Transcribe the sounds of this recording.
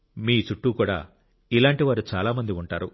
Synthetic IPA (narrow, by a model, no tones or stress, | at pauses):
miːt͡ʃuʈːuːkuːɽa̰ː | ilaːɳʈiʋaːɾut͡ʃaːlaːmɐnd̪iuɳʈaːɾu